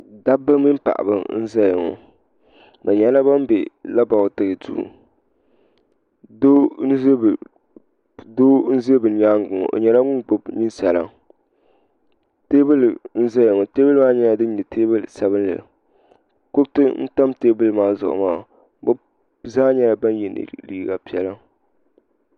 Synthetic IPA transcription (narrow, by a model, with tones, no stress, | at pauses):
da˦bɨ˦mi˦m˦pa̰˨ʔa̰˨bɨ˨n̩˦za˦jɪ˨ŋɔ̰˨ | ma˨ɲɛ˦la˦ba˦m˦be˨la˦ba˨˦tɨ˨ɣɨ˨dṵː˦˨ | do˦n˦ze˦b | do˦n̩˦ze˦bɨ˨˦ɲaː˦ŋ˦˨ɡʊ˨ŋɔ̰˨ʔo̰˨ɲɛ˨la˦ŋʊ˦ŋɡ͡bo˦bni˦nsa˨la̰˦ | te˦bɨ˦ln̩˦zɛ˦ja˨ŋɔ˨teː˦bɨ˦lmaː˦ɲɛ˦la˨dɨ˦ɲɛ˨teː˦bɨ˦lsa˨βɨ˦nlɨ̰˨ | kʊ˦ktɨ˦n̩˦ta˦mteː˦bɨ˦lɨ˦maː˦zʊ̰˨ʔʊ̰˨maː˦˨˦ | bo˦ | zaː˦ɲɛ˦la˨ba˦n˦jɛ˨nɨ̰˨liː˦ɡa˨pi˨ɛ˦la˦